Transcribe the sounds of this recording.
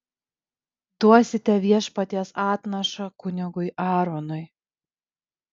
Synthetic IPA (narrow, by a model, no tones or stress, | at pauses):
d̪uɔsʲɪt̪ʲɛʋʲiɛʃpɐt̪ʲiɛsɑːt̪nɐʃɐkʊnʲɪɡʊɪʔɑːɾɔnʊɪ